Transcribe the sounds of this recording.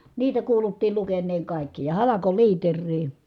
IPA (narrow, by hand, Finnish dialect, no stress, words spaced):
niːtæ kuːlutːiːl lukenːeːŋ kɑˑikːi jɑ hɑlɑkoliːterːiː